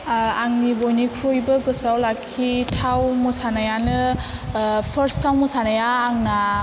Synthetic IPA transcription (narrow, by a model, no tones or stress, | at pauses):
aŋnibojnikʰɾojbɯɡɯsawlakʰːitʰawmɯsanajanɯ | pʰəɾstʰːawmɯsanajaːŋna